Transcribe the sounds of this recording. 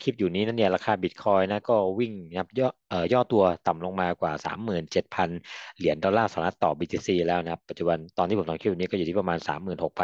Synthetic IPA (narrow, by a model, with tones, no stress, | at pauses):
kʰi˦˥p̚juː˨˩niː˦˥na˦˥ni˥˩ɐɾaː˧kʰaː˧bi˨˩t̪̚kʰɔː˧jna˦˥kɔː˥˩wi˥˩ŋkʰa˦˥p̚jɔː˥˩ʔəː˨˩jɔː˥˩t̪u˧ɐt̪a˨˩mlo˧ŋmaː˧kwaː˨˩sa̰ː˩˦mːɯː˨˩nt͡ɕe˨˩t̪̚pʰa˧nli˨˩˦əndɔ˧lːaː˥˩saː˩˦ɾa˦˥t̪ːɔː˨˩biː˧t̪ʰiː˧siː˧lɛː˦˥wna˧˥kʰa˦˥pːa˨˩t̪̚t͡ɕu˨˩ba˧nt̪ɔː˧niː˥˩pt̪ɔ˧kʰi˦˥p̚juː˨˩˦kɔ˥˩˨u˨˩iː˥˩pa˧maː˧nsa̰ː˩˦mːɯː˨˩nho˨˩k̚pʰa˧n